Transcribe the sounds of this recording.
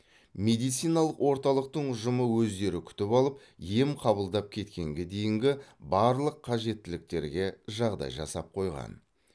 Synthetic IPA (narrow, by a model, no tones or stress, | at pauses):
me̞d̪ijt̪sijnɑlˠəqwʔo̞ɾt̪ɑlˠəq̚t̪əɴʊʒəməwɵzd̪e̞ɾɪkʲʰʏ̥t̪ɪpɑlˠəp | je̞mqʰɑβəlˠd̪ɑp̚kʲʰe̞t̪kʲe̞ŋɡʲe̞d̪e̞jɪŋɡʲɪbɑɾlˠəqʰːɑʒe̞t̪ːɪlɪk̚t̪e̞̰ɾɡʲe̞ʒɑʁd̪ɑ̰jʒɑ̰sɑp̚qʰo̞jʁɑ̰n